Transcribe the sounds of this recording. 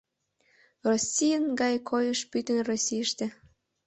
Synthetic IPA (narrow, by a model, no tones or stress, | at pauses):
rosʲijənɡɑjkʰojəʃpyt̪ənrosʲijəʃt̪ĕ